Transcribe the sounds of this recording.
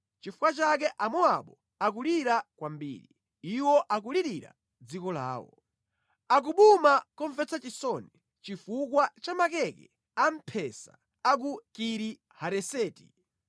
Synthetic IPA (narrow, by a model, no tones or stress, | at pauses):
t͡ʃifu̥kwat͡ʃak̬ɛʔamɔaɓɔ | ak̬uliɾakwambḭːɾḭ | iwɔʔak̬uliɾiɾa̰ | d͡zikɔla̰ːwɔ̰ | ak̬uɓumakɔɱfɛt͡sat͡ʃisɔni | t͡ʃifuk̬wat͡ʃamakɛkɛ | am̩pʰɛsaː | k̬ukiɾi | haɾɛsɛːti